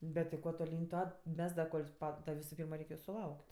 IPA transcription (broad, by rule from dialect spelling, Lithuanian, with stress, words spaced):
ˈbʲɛt tʲɪ ˈkuɔ toːˈlʲiːnʲ ˈtuɔ ˈmʲɛs dɐ ˈkoːlʲ ˈpɐ dɐ ˈʋʲɪsʊ ˈpʲiːrmɐ ˈrʲɛɪkʲ jʊ sʊˈlˠɐʊkʲtʲ